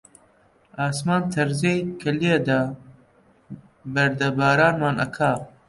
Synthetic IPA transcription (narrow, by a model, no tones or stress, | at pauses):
ɑːsmɑːnt̪ʰɐɾzejkʰɐlied̪a | bɐɾd̪ɐbɑːɾɑːnmɑːnɐ̰kʰa